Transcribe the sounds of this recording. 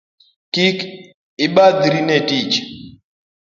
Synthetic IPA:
kik | iɓad̪iɾinɛtit͡ʃ

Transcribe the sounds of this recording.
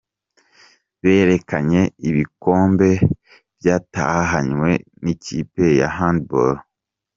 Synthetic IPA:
βe̞ːɾe̞kaɲe̞iβiko̞ːmbe̞ | b̥jaːta̰haɦaɲwe̞niciːpe̞ja̰ɦandboɾ

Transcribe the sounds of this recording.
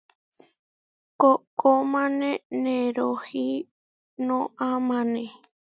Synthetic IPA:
kokomãnẽnẽɾohi | nõʔãmãnẽ

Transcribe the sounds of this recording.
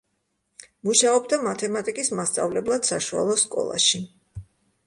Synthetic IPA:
muʃaɔbd̪amat̪ʰɛmat̪ʼikʼismast̪sʼa̰vlɛblˠad̪̥saʃua̰lˠɔskʼɔ̰lˠa̰ʃi

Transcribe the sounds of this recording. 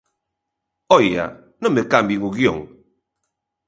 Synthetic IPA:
ɔja̰ | nɔ̃mekambiŋuɣjo̰ŋ

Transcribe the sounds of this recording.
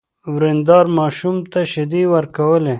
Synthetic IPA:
wɾend̪ɑːɾmɑʃumt̪aʃɪd̪iwəɾkawəle

